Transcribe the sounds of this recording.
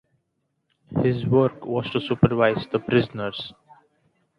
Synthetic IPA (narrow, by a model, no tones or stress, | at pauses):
hɪzʋəɾkʋɔːzʈusuːpəɾʋaɪzd̪əpɾɪzənəɾz̥